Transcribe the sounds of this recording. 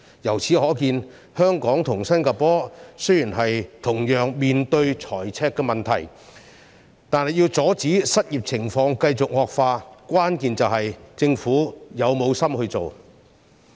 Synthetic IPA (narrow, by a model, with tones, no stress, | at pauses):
jɐ˨˩wt͡sʰiː˨˥ɦɔː˨˥kiː˧n | hœː˥ŋkɔː˨˥ŋt̪ʰʊ˨˩ŋsɐ˥nkaː˧pɔː˥sɵ˥ɥjiː˨˩nɦɐ˨jt̪ʰʊ˨˩ŋjœː˨ŋmiː˨nt̪ɵ˧ɥt͡sʰɔː˨˩jt͡sʰɛː˧kːɛ˧mɐ˨nt̪ʰɐ̰˨˩j | t̪aː˨˧nhɐ˨˩jiː˧wt͡sɔː˨˥t͡siː˨˥sɐ˥t̚jiː˨p̚t͡sʰɪ˨˩ŋfɔː˧ŋkɐ˧jt͡sʊ˨k̚ŋɔː˨k̚faː˧kʷaː˥nkiː˨nt͡sɐ˨wɦɐ˨jt͡sɪ˧ŋfuː˨˥jɐ˨˧wmo˨˧wsɐ˥mhɵ˧ɥt͡so˨w